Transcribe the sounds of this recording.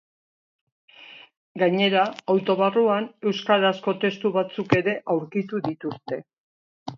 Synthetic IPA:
ɡaɲe̞ɾaawt̪o̞βaruane̞wskaɾasko̞t̪e̞st̪uβat͡suke̞ɾe̞ʔawɾkit̪uðit̪ust̪e̞

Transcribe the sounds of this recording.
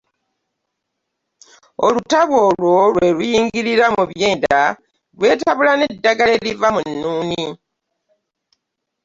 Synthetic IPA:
olutaβo̞lwo̞lwe̞lujiːŋɡiɾiɾamuβje̞ːnda | lwe̞ːtaβulanedːaɡale̞livamunːuːni

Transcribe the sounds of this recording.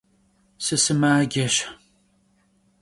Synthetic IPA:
sɨsɨmaːɡʲɐɕ

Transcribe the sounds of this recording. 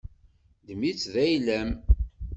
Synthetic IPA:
d̪əmit͡sːðæjlæm

